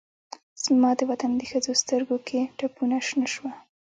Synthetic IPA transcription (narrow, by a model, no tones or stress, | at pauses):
z̥mɑd̪əwat̪and̪əxəzost̪əɾɡokʰeʈapunaʃnəʃwa